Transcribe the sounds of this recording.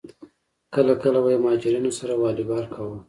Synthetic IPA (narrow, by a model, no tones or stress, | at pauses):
kəlakəlawajemɑhɑd͡ʒɪɾinosaɾawɑːlɪbɑɾkʰawu